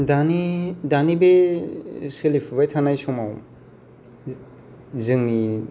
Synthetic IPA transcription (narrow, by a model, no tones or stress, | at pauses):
danidanibe | selipʰbajtʰanajsɔmaw | zɯŋni